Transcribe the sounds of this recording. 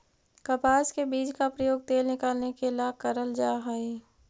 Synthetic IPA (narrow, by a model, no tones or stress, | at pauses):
kɐpaːskebiːd͡ʒkapɾəjoːɡ̚t̪eːlnɪkaːlnekelakəɾəld͡ʒaːɦae